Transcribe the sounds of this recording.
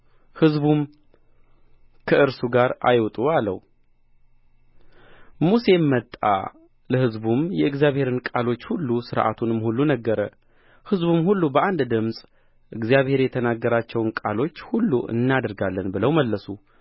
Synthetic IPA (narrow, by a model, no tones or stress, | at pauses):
hɨzbum | kʰəʔɨɾsuɡaɾa̰jwt̪ʼualə̰w | muse̞mːət̪ʼːa̰ | ləhɨzbumjɛɨɡzijaβhe̞ɾɨnkʼalo̞t͡ʃːhulːusɨɾʔa̰t̪ʰunɨmhulːunəɡːəɾə | hɨzbumhulːubəʔand̪d̪ɨmsʼ | ʔɨɡzijaβhe̞ɾjɛt̪ʰənaɡːəɾat͡ʃːɛwnkʼalo̞t͡ʃːhulːṵʔɨ̰nːad̪ɾɡalːənbɨləwməlːəsu